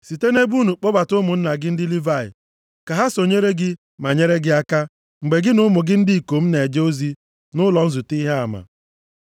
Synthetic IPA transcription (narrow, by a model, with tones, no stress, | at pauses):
si˨te˦ne˦bu˦nu˨k͡pɔ˦ba˨tʊ˦mʊ˨n̩˦na˨ɡɪ˦n̩˦dɪ˦li˦va˦˨ɪ̰˨ | ka˨ɦa˦so˨ɲe˦ɾe˦ɡɪ˦ | ma˨ɲe˦ɾe˦ɡɪ˦a˦ka˦ | ŋ͡m̩˨ɡ͡be˨ɡɪ˦nʊ˦mʊ˨ɡɪ˦n̩˦dɪ˦i˨ko˨m̩˦ne˨d͡ʒe˦o˦zi˦ | nʊ˦lɔ˨n̩˦zu˨ti˦ɦe˦a˨ma̰˨